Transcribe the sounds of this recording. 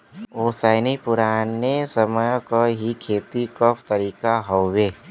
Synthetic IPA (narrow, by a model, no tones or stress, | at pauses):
oːsaːɪnipʊɾaːnːesəməjkoɦikʰeːt̪ikɔpʰt̪əɾiːkaɦoʋe